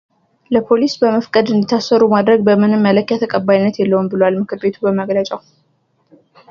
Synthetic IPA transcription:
ləpʰo̞lisbəməfkʼəd̪ɨnd̪it̪ʰasːəɾumad̪ɾəɡbəmɨnɨmːələkːjat̪ʰəkʼəbːajinːət̪jɛlːəwunbɨlwalmɨkʰɨɾbe̞t̪ʰubəməɡlət͡ʃʼaw

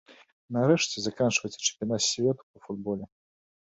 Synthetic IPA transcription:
nɐɾɛʂt͡sʲɛzakant͡ʂvɐjtsʲɐ̥t͡ʃɛ̥mpʲjanat̪sʲvʲɛt̪u̥pɐfud̪̚bɔlʲɛ

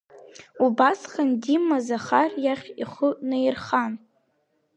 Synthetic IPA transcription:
ubasχandimːazaχarjaχʲiχʊnɨirχan

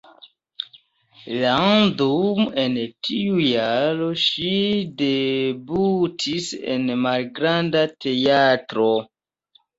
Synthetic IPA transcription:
landume̞ntʰiujaɾo̞ʃidebutʰisḛnmalɡɾandatʰe̞atɾo

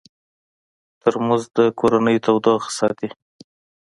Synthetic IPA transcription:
t̪əɾmuzd̪əkʰoɾanəjot̪awd̪oxsɑt̪i

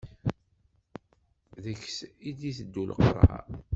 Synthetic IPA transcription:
ðəçsid̪iθəd̪ːulə̰qɾˤha̰

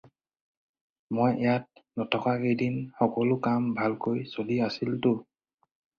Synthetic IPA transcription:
mojɛjat̚nɔtʰɔkaxejdinxɔkɔlʊkambʱalkojsoliasiltʊ

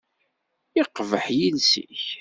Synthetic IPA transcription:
ɪqvəħjinsḭç

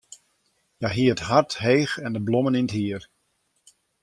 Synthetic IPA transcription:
jaɦiəətɦarthejxɛndəblɔməninətɦiːər

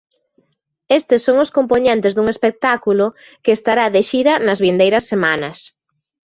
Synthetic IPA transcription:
est̪ɪsːoŋʊskompoɲẽnt̪ezðuŋespek̚t̪akulo | keːst̪aɾaðeʃiɾɐnɐzβind̪ejɾɐsːemanɐs

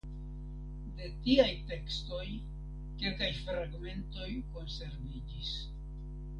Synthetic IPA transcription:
de̞tiajte̞ksto̞j | ke̞lkajfɾaɡme̞nto̞jko̞nse̞ɾvid͡ʒis

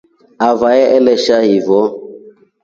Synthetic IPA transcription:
avajɛʔɛlɛʃahivɔ

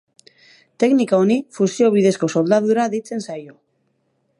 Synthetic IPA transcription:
t̪e̞knikao̞nifusio̞β̞iðe̞sko̞so̞ld̪aðuɾaðejt͡se̞nsajo

